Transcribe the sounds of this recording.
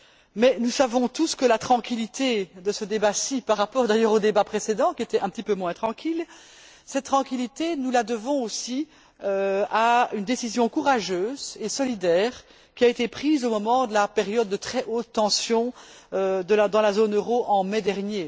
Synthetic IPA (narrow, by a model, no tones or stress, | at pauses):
mɛnusavɔ̃t̪uskəlat̪χɑ̃kʲilit̪ʰed̪əsəd̪ebasipaʁːapɔʁd̪ajœːʁod̪ebapχesed̪ɑ̃kʲiet̪ɛɛ̃pət̪ipømwɛ̃t̪χɑ̃kʲil | sɛt̪̚t̪ːχɑ̃kʲilit̪enulad̪əvɔ̃osi | øaynd̪esizjɔ̃kuʁaʒøːzesɔlid̪ɛːʁ | kʲiaet̪epχiːzomɔmɑ̃d̪əlapeʁjɔd̪ːət̪χɛʔoːt̪ːɑ̃sjɔ̃ | ød̪əlad̪ɑ̃lazonøʁoʔɑ̃mɛd̪ɛʁnje